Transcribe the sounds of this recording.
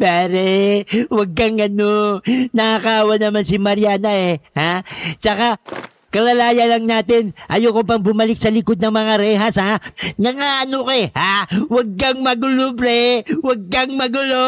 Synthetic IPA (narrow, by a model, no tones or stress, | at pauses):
paːɾɛwɐɡ̚kaŋɐnonɐʔakaʔaːwɐnɐmansɪmɐɾjaːnɐʔɛhat͡ʃɐka | kɐlɐlaːjɐlɐŋnaːt̪ɪnʔɐjokop̬ɐŋbʊmɐlɪk̚sɐlɪkod̪̚nɐŋmɐŋaɾɛːɦashanɐŋaʔɐnokɛhawɐɡ̚kɐŋmɐɡʊlobɾɛwɐɡ̚kɐŋmɐɡʊlo